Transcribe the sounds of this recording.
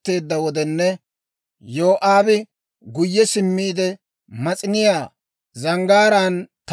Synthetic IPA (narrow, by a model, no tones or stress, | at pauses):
t̪ːe̞ːd̪ːɐwɔd̪ɛnːɛ | joːʔaːbɪ | ɡʊjːɛsɪmːiːd̪ɛ | mɐt͡sʼɪnɪjaː | zɐŋɡaːɾaːnt̪